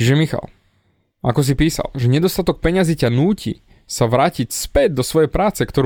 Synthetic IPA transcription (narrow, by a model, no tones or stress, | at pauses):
iʒɛmixa̰l | akɔs̬ipiːsa̰lʒɛɲɛd̪ɔst̪at̪ɔk̚pɛɲazicanuːcḭ | saʋɾaːcicspɛd̪̚d̪ɔsʋɔjɛjpɾaːt͡sɛkt̪ɔɾu